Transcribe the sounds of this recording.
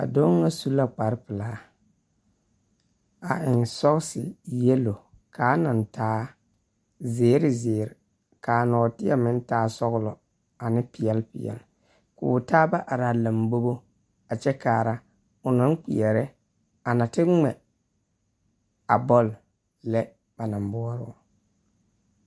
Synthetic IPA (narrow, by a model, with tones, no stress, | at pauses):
a̰˨do˦ŋa˦su˦la˦k͡pa˨ɾɪ˦pɪ˨la˨ha˦ | a˨ʔɪ˨nsɔ˦ɣsɪ˨jɛ˦lo˨ | kaː˨˦na˨n˨taː˦ | zeː˨˦ɾɪ˨zɪː˨ɾɪ˨ | kaː˨nɔː˨tɪ˦a˦mɪ˦n˦taː˦sɔ˦ɣʊ˦lɔ˨ | a˨nɪ˦pɪ˨jɛ˦lpɪ̰˨jɛ̰˨l | kʊ̰˨taː˦ba˦ʔa˨ɾaː˨la˨mbo˦bo˦ | a˨t͡ʃɛ˦kaː˨ɾa˦ | ʊ˨na˦n˦k͡pi˨ɛ˨ɾɪ˦ | a˨na˨tɪ˦ŋ͡mɛ˨ | a̰˨bɔ˦˨l | lɛ˦ | b̥a˨na˨mbɔ˦ɔ˦ɾʊ̰˦˨